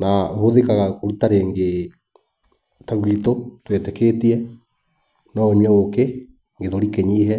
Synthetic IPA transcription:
naohoðekaɣakoɾutaɾeŋɡe | taɣuitotwetɛketiɛ | nɔoɲwɛoke | ŋɡeðoɾikeɲiɦɛ

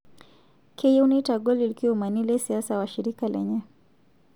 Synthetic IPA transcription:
kʰɛjɛunitaɡɔlilikiwɔmanilɛsiasawaʃiɾikalʔɛ̰ɲɛ

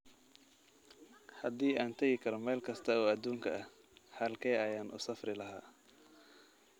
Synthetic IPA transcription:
hɐd̪iːʔaːnt̪ʰɐɣɪkʰɐɾɔmɛːlkʰɐst̪ʰɐɔːɐd̪uːŋkʰɐɐh | hɐlkʰɛjɐjaːnʔʊ̰sɐfrɪlɐɦaː

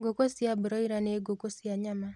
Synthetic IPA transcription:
ɡokosjabɾɔiɾaneɡokosjaɲama

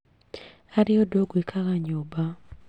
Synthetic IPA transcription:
aɾɪodoɡwekʰaɣaɲoba

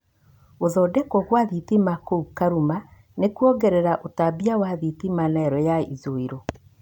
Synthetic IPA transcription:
oðɔdɛkɔɣwaðitimakoukaɾuma | nekuɔɡɛɾɛɾaʔotabiawaðitimanɛɾɔjaizoiɾo

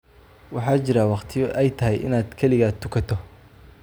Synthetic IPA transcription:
wɑħɑːt͡ʃɪɾaːwɑqt̪ʰɪjɔʔɛjt̪ʰɐɦɛjʔɪ̰naːd̪kʰɛlɪɣat̪ʰːʊkʰɐt̪ʰɔ

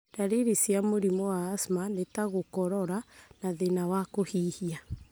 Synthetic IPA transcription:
daɾeɾisjamoɾimɔwaːsmanetaɣokɔɾɔɾanaðenawakohiːhia

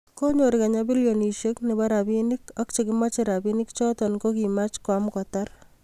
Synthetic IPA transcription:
koɲoɾikaɲabiljoniʃeknebaɾabinikɔkt͡ʃekɪmat͡ʃeɾabinikt͡ʃɔtɔnkokimat͡ʃkwamkɔtar

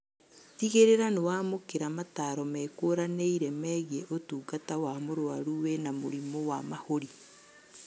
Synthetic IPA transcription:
tiɣeɾeɾanewaːmokeɾamataːɾɔmɛːkoɾaneiɾɛmɛːɣjɛʔotuːɡatawamoɾoaɾuwenamoɾimowamahoɾi

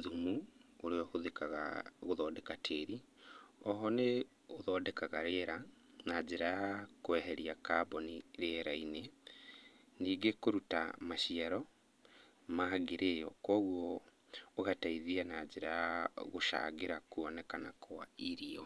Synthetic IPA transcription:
ðumuoɾeɔɣoðekaɣa̰ɣoðɔːdɛkatʰeːɾi | ɔɦɔne | oðɔːdɛkaɣaɾeɾa | nad͡ʒeɾakwɛɦɛɾiakaːboniɾeɾaine | niːɡekoɾuta̰maʃiaɾɔ | maɣeɾʔejɔ̰kɔːɣwɔː | ɣataiðianad͡ʒeɾaɣoʃa̰ːɣeɾakuɔnɛkana̰kʰwa̰iɾiɔ

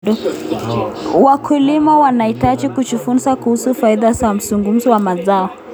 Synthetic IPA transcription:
ɔ | wakʰulimawanaitat͡ʃikut͡ʃufun̩sakuhusufaiðazam̩zuŋɡum̩zɔwamazaɔ

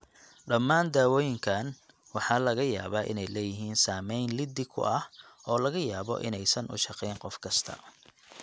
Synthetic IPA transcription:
ɖɐmːaːnd̪aːwɔːjɪŋkʰaːn | wɑħɑːlɐɣɐja̰ːβaːʔɪ̰nɛjlɛːjɪɦiːnsaːmɛjnlɪd̪ɪkʰʊ̰ʔɐhɔːlɐɣɐjaːβɔ̰ʔɪ̰nɛjsɐnʔʊ̰ʃɑqɛjnqɔfkʰɐst̪ʰɐ̰

